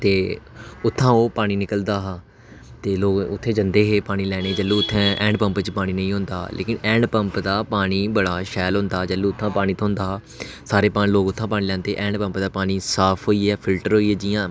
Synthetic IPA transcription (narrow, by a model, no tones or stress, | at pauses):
t̪eːʊt̪ʰːãːoːpaːɽ̃iːnɪkəld̪aːɦaː | t̪eːloːɡʊt̪ʰːẽːd͡ʒənd̪eːɦeːpaːɽ̃iːlɛːɽ̃eːd͡ʒəlːũːʊt̪ʰːɛ̃ːʔɛːɳɖpəmpt͡ʃpaːɽ̃iːnə̃ĩːɦʊ̃nd̪aːlʔḛːkɪnɛ̃ːɳɖpəmpd̪aːpaːɽ̃iːbəɽaːʃɛːlɦʊ̃ːnd̪aːd͡ʒəlːũːʊt̪ʰːãːpaːɽ̃iːt̪ːɦʊ̃nd̪aː | saːɾeːpaːnĩːloːkʊt̪ʰːãːpaːniːlɛ̃ːnd̪eːʔɛ̃ːɳɖpə̃mpd̪aːpaːɽ̃iːsaːpʰɦoːiːɦɛːpʰɪlʈəɾɦoːiːɦɛːd͡ʒɪjãː